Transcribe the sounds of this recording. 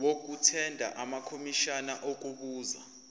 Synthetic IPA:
wok̬utʰɛndʱa̰ʔamakʰomiʃanaʔok̬ʼukuːza̰

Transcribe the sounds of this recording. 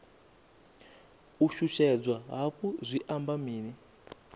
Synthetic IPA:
uʃuʃɛd͡zwaɦapuzʷiʔambamiːni

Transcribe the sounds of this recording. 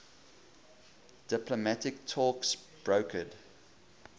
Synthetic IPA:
d̥ɪpləmætɪk̚tʰɔːksb̥ɹoʊkʰəd

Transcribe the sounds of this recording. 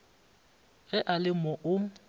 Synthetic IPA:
ɣɛʔalɪmɔʔʊ

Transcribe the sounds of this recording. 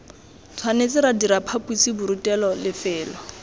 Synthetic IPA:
t͡sʰwanet͡sʼɪɾadiɾapʰapʼusibʊɾutʼɛlɔlɪfɛːlɔ

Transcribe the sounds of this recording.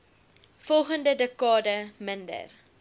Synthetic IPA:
fɔlˠχəndədəkɑːdəməndə̰r

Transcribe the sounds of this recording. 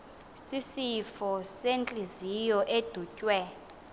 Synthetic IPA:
sisifɔsent͡ɬʼizijɔʔed̥ʱucʼwɛ

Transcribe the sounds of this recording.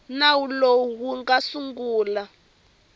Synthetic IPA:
nawuloɦuŋɡasuŋɡuːla

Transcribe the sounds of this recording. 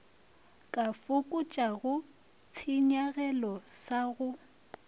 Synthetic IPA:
kʼafʊkʼʊt͡ʃʼaɣʊ | t͡sʰɪɲaɣɛlɔsaɣʊ

